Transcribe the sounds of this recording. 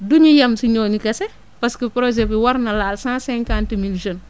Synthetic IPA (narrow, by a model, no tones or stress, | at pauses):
duɲijɐmsiɲoːɲikɐse | paskəpɾozepəwaɾnɐlaːlsãːsɛ̃ŋkãntmilʒən